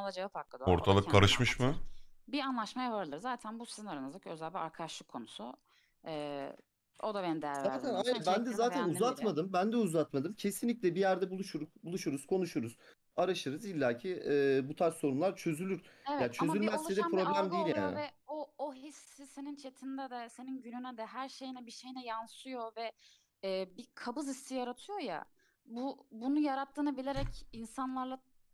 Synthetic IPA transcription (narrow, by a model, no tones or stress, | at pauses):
alˠad͡ʒat̪ʰak̚lˠad̪oɾt̪ʰalˠɯkʰːaɾɯʃmɯʃmɯbianlˠaʃmajavaɾɯlˠɯɾzaːt̪ʰænbusi̥zinaɾanɯzɯkʰøzælʲbʲiaɾkʰad̪aʃlˠɯkʰːo̞nusʊ̰ | ɛː | od̪abenimd̪ejæɾvzaːt̪ʰænajɾabænd̪ɛzaːt̪ʰænuzat̪mad̪ɯmbænd̪ɛuzat̪mad̪ɯmcʰe̞sinlʲiclʲɛbijæɾd̪ɛbulˠuʃuɾbulˠuʃuɾuz̥kʰo̞nuʃuɾuz | aɾaʃɯɾɯzilʲːaːcʰiɛːbut̪ʰaɾso̞ɾumlˠaɾt͡ʃʰø̞zylʲyɾ̥evjaːt͡ʃʰøzylʲmɛzsed̪ɛpɾo̞blʲæmd̪ejilʲjaa̰ːnnɪvɛooɦisːise̞nint͡ʃʰe̞t̪ʰind̪ɛd̪ɛse̞ninɟynynɛd̪ɛɦæɾʃe̞jinɛbiʃe̞jinɛjansɯjo̞vɛː | bikʰabɯzisːijaɾat̪ʰɯjo̞ja̰ | bubunujaɾat̪ʰːɯːnabilʲe̞ɾɛcinsanlˠaɾlˠa